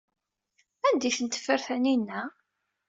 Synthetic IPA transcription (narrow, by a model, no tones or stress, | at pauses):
ænd̪iθənt̪ə̥fəɾθæninːæ